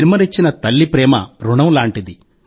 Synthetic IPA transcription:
nimɐɾit͡ʃːinɐt̪ɐlːipɾɛːmɐ̰ɾuɳɐmlaːɳʈid̪i

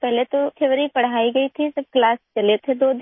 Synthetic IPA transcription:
pɛɦlet̪õkʰeːʋɾipəɽ̤aːiɡəit̪ʰisəb̚klaːst͡ʃɐlet̪ʰed̪oːd̪

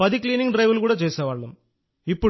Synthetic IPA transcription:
ɐðikɭiːniŋʈɾɐjʋulkuːɽɐt͡ʃeːsɐʋaːɭːɐm | ipːɔ

